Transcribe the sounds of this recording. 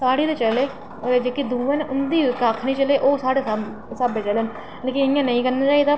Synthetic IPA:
saːɽiːt̪eːt͡ʃəleː | d͡ʒeːkid̪uːʋenʊnd̪iːkakʰnĩiːt͡ʃəleːʔoːsaːɽeːs | səbet͡ʃəlen | leːkɪɪjãːnəĩːkənãːt͡ʃaːit̪a

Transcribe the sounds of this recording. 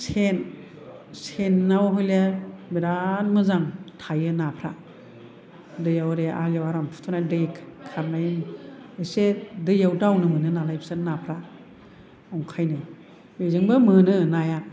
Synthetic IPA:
sʰen | senːawɦɔjlebiɾat̚mɯzaŋtʰajɯnapʰɾa | dɯjawɾea̰ljawaɾampʰu̥tʰɔnadɾekʰːaɾnajɯnesedɯjawdawnɯmɯnɯnalajpʰsɯnnapʰɾa | awŋkʰajnɯ | bezɯŋbɯmɯnɯnaja

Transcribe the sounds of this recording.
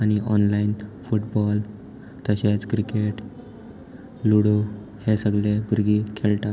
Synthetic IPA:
añiʔɔnlainfuʈbɔl | t̪əɕet͡skɾikeʈ | luɽo | hesəɡlebuɾɡiːkʰelʈ̪a

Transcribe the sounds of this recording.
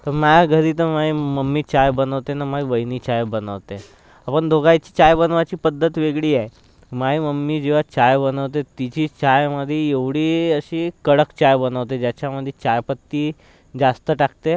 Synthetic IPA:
t̪əɾmajɡʱəɾiːt̪̬əɾmaiməmːiːt͡ɕajbənəʋt̪enamaiʋəjniːt͡ɕajbənəʋt̪e | apəɳd̪ʱoɡajt͡ɕiːt͡ɕajbənʋat͡ɕiːpəd̪ʱːət̪ʋeɡɭiːaj | maiməmːiːd͡ʑeʋ̤at͡ɕajbənəʋt̪et̪it͡ɕiːt͡ɕajməd̪ʱːjeeʋɽiːəɕiːkəɽəkt͡ɕajbənəʋt̪̬ed͡ʑjat͡ɕaməd̪ʱːjet͡ɕajpət̪ːiː | d͡zast̪əʈak̚t̪e

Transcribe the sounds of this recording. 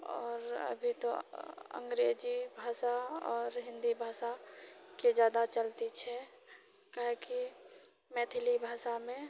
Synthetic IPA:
ɔ̰ːɾə̰bʱit̪oə̰ŋɡɾed͡ʒibʱaːsaɔ̰ːɾɦɪ̃nd̪ibʱaːsaked͡ʒjaːd̪at͡ʃəlt̪it͡ʃʰɛ | kaɦeki | mɛːt̪ʰilibʱaːsamẽ

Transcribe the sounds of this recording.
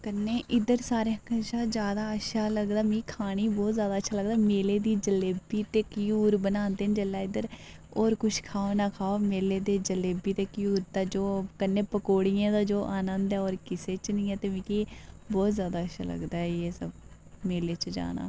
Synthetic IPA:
kənːeːʔɪd̪əɾsaːɾeːkʃaːd͡ʒjaːd̪aːəʃaːləɡd̪aːmĩːkʰaːɽ̃iːbɔːt̪zjaːd̪aːətːʃʰaːləɡ̚d̪aːmeːleːd̪iːd͡ʒəleːbiːt̪eːkjuːɾbənãːnd̪eːnd͡ʒeːlːaːɪd̪əɾ | oːɾkʊʃʰkʰaːonaːkʰaːoːmeːleːd̪eːd͡ʒəleːbiːt̪eːkjuːɾt̪aːd͡ʒoːkənːẽːpəkoːɽijãːt̪aːd͡ʒoːʔaːnənd̪ɛːɔːɾkɪseːt͡ʃnĩːɛːt̪eːʋĩːki | bɔːt̪zjaːd̪aːəʃa̰ːlə̰ɡd̪aːɛjeːsəb̚ | meːleːt͡ʃd͡ʒa̰ːna̰ː

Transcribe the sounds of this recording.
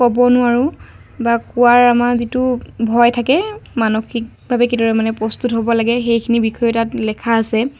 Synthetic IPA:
kɔbɔnʊaɹʊ | bakʊwaɹamazitʊbʱɔjtʰakɛmanɔkʰik | bʱabɛkitɔɹɛmanɛpɹɔstutɦobɔlaɡɛxejkʰinibikʰɔjɔtatlɛkʰaːsɛ

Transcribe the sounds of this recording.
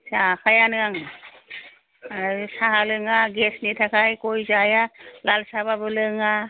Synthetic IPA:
sakʰajanɯaŋ | saɦalɯŋaɡesnitʰakʰajkojzajalalsaβabɯlɯŋa

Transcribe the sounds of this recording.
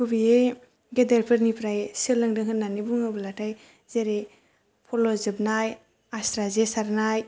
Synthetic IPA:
kʰubie | ɡedeɾpʰɯɾnipɾajsɯlɯŋdɯŋɦɯnːanibuŋɯbɯlatʰaj | zeɾe | pʰɔlɔzɯbnaj | astɾazesaɾnaj

